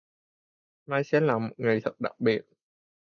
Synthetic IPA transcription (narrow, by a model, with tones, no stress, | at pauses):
maː˧jsɛ̰˧˥laː˨˩mo˨˩t̚ŋɨ˨˩əjt̪ʰə˨˩t̚ɗa̰˨˩k̚ɓi˨˩ət̚